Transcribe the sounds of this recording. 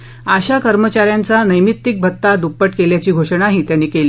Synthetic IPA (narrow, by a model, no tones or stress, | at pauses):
aɕakəɾmət͡ɕaɾjant͡sanəjmit̪ːik̚bʱət̪ːad̪upːəʈkeljat͡ɕiːɡʱoʂəɳaɦiːt̪janːiːkeli